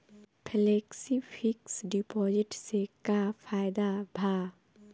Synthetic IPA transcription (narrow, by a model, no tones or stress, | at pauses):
pʰɛleːksifʰiksɖipɔːzɪʈsekapʰaːjd̪abʱa